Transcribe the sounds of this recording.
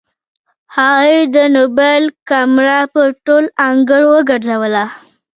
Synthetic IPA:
haɣujd̪ənobalkamɾɑpəʈolaŋɡəɽowəɡəɾzawəla

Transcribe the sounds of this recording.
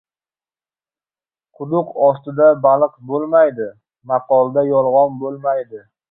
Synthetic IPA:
qʰʊd̪ʊqɒst̪ɪd̪abalˠɨqbolˠmajd̪ɪ | mɑqɒlˠd̪ajɒlˠʁɒnbolˠmajd̪ɪ

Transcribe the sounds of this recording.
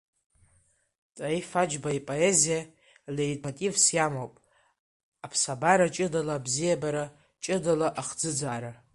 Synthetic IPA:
tʼajfad͡ʒbaipʼoe̞zija | leritʼmatʼivsjamowpʼ | apʰsabaɾat͡ʃʼɨdalaːbzijabaɾa | t͡ʃʼɨdalaʔaχd͡zɨd͡zaːɾa

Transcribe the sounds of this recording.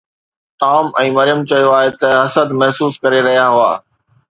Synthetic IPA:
ʈaːmɛ̃ːmɐɾɪjəmt͡ɕɐijoaːɦet̪ɐɐsəd̪mɐɦsuːskɐɾeɾɐɦijaɦʊa̰ː

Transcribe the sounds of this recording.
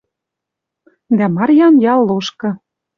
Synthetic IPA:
d̪æmɑrjɑnjɑlːoʃkɤ̆

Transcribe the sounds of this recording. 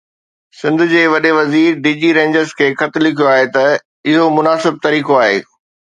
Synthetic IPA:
sɪ̃nd̪ʱʊd͡ʑeːʋɐɗeʋɐziːɾɖiːd͡ʑiɾẽːɲd͡ʑəɾzkʰeːxɐt̪lɪkʰijoaːɦet̪ɐ | ɪɦomʊnaːsɪb̚t̪ɐɾiːkoaːɦḛː

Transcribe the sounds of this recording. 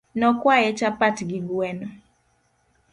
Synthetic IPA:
nɔkwajɛt͡ʃapatɡɪɡwɛnɔ

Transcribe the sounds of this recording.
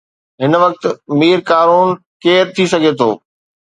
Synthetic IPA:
ɦɪnʋɐk̚t̪miːɾkaːɾuːn | keːɾt̪ʰisɐɡʱet̪ʰoː

